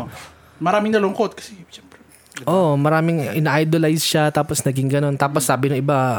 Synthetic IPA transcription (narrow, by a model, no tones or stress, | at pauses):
mɐɾaːmɪŋnɐlʊŋkot̪̚kɐ̥sɛɛmpɾɛ | ʔomɐɾaːmɪŋʔɪnaʔajd̪olajsʃat̪aːposnɐɡɪŋɡɐno̞nt̪aːposːaːbɪnɐŋʔɪba